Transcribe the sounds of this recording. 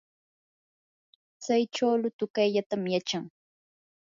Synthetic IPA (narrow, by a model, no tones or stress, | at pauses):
t͡sajʈ͡ʂawlʊt̪ʊkajʎat̪amjat͡ʃaŋ